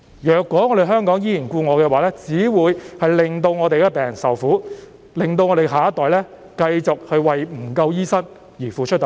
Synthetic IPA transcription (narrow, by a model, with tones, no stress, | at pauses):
jœː˨kːɔː˨˥ŋɔː˨˧ɾe˨˩ɦœː˥ŋkɔː˨˥ŋjiː˥jiː˨˩nkuː˧ŋɔː˨˧kɛː˧waː˨˦lɛː˥t͡siː˨˥wuː˨˧jhɐ˨jlɪ˨˩ŋt̪o˧wŋɔː˨˧t̪e˨jkɛː˧pɛː˨˩ŋjɐ˨˩nsɐ˨wfuː˨˥ | lɪ˨ŋt̪o˧wŋɔː˨˧t̪e˨˩ɦaː˨˥ɐ˥t̪ːɔː˨˩jlɛː˥ | kɐ˧jt͡sʊ˨k̚hɵ˧ɥwɐ˨jm̩˨˩kɐ˧wjiː˥sɐ˥n | jiː˨˩fuː˨˩t͡ʃʰt̪o˨